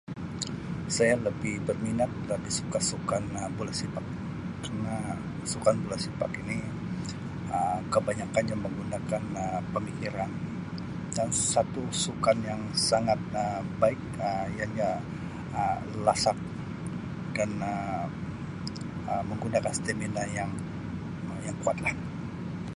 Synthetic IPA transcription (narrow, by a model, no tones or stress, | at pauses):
sajaləbɪhbərminat̪̚ləbɪhsu̥kasukanbulasipakː | arna | sukanbulasipa̰kini | əkəbaɲakanjaŋməŋɡundakanəpəmikiɾan | dansat̪usukanjaŋsaŋat̪̚əbaɪk̚ | əjaɲa | ə | lasak̚ | danə | əməŋɡundakanst̪eminajaŋ | jaŋkuat̪lah